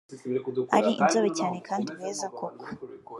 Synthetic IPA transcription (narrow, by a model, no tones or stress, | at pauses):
aɾiʔḭnzoβecaːne̞kʰaːndiweːzakʰokʰo̥